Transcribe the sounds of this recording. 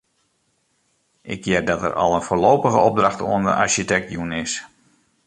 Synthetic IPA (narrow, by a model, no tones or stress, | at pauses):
ʔɪkjɪrdɑtə̰rʔɑ̰lˠənfoːlowpəɣəɔb̚drɑxtoəndə̰ʔaɹʃitɛk̚tjunɪs